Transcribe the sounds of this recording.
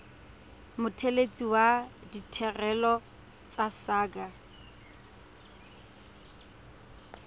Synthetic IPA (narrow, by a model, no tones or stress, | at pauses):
mʊtʰelet͡sʼiwaditʰɛrɛlɔ | t͡sʼasaːɡa